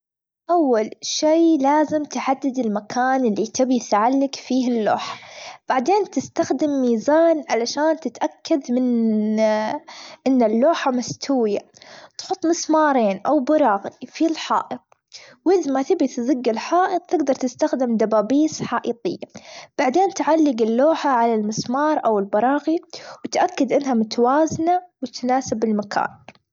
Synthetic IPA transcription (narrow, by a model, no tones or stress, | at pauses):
ʔawːalʃiːlaːzɪmt̪ʕad̪ːɪd̪ɪlmakʰaːnɪlːit̪ɪbiθʕalːɪkfiːhɪlːo̰ːħḁb̥aʕd̪eːnt̪ɪst̪axd̪ɪmːiːzaːnʕalaʃaːnt̪ɪt̪ʔakːad̪mɪn | ʔɪnːɪlːoːħamast̪ʰuːjat̪ħʊt̪ˤːmɪsmɑːɾˤeːnʔawbɪɾˤɑːɣifilħɑ̰ːʔɨt̪̚ | wʔɪðmat̪ɪbɪθzɪɡːɪlħɑːʔɨq̪̚t̪ɪɡd̪ɑɾˤt̪ɪst̪axd̪ɪmd̪abaːbiːsħɑːʔiːt̪ˤɪjːab̥aʕd̪eːnt̪ʕalːɪɡɪlːoːħaʕalalmɪsmɑːɾˤʔawɪlbɑɾˤɑːɣiwɪt̪ʔakːad̪ʔɪnːɦamʊt̪ʰwaːznawɪt̪naːsɪbɪlmakʰa̰ːn